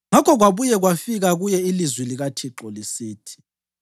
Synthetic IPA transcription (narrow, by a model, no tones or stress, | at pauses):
ŋakʰɔɣwaβujɛɣwafiɣaɣujɛilizwiliɣatʰiǁɔlisiːtʰi̥